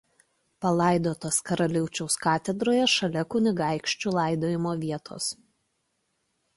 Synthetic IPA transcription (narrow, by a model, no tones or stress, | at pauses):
pɐlˠɑˑɪd̪oːt̪oːskɐɾɐlʲɪʊt͡ʃʲɛʊskɑːt̪ʲɛd̪ɾoːjɛʃɐlʲɛkʊnʲɪɡɑˑɪkʃʲt͡ʃʲuːlˠɑˑɪd̪oːjɪmoːʋʲiɛt̪ʰo̰ːs